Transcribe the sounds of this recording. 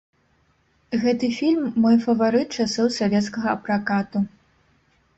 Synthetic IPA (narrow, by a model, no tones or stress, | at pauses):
ɣɛt̪ɨfʲilʲmːɔjfɐvaɾɨt̪̚t͡ʂasɔwsavʲɛt̪skɐɣɐɐpɾakat̪u